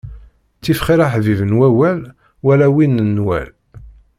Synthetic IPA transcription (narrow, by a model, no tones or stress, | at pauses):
t͡sːifχiɾaħvivənwæwæl | wælæwinənwæ̰l